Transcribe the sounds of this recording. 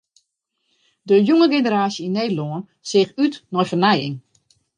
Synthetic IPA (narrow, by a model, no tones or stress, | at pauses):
dəjuŋəɡenəɾaːsjəineːdəlɔən | sɪxytnɔjfərnɛjɪ̰ŋ